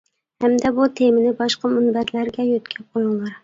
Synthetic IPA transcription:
hæmd̪ɛbut̪ʰemɪnɪbɑʃqɑmʊnbæɾlæɾɡʲɛjøt̪kʲʰɛqʰojʊŋlˠɨɾ

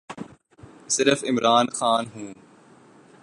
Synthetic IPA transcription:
sɪɾəfɪmɾaːnxaːnɦũː

